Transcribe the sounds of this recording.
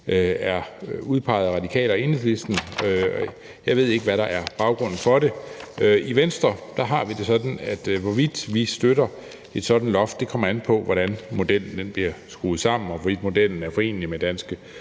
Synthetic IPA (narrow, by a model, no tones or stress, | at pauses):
ʔøæɐuð̞ˠpʰɑ̈ɪð̩ˠʁɑ̈dikʰɛ̰ːlɒe̝nele̝sd̥n̩ø | jɑ̈ɪʋe̝ð̞̰ˠe̝ɡ̥əʋæɾɑ̈ʔæɐb̥ɑ̈ʊɡ̥ʁɔ̽n̰n̩fɒ̽ɾe̝øʔiʋensd̥ʁɐd̥ɑ̈ɦɑ̈ʋid̥e̝sɒ̽d̥n̩æd̥ʋɒʋid̥ʋisd̥øɾɐ | e̝d̥sɒ̽d̥n̩lɒ̽fd̥̚d̥e̝kʰɒ̽m̰ɐænpʰɒ̽ʋɒɾ̥ænmo̝d̥el̰n̩d̥enb̥liɐsɡ̥ṵːð̩ˠsɑ̈m̰n̩ɒʋɒʋid̥mo̝d̥el̰n̩æɐfɒ̽e̝̰ːnlimed̥ænsɡ̥ə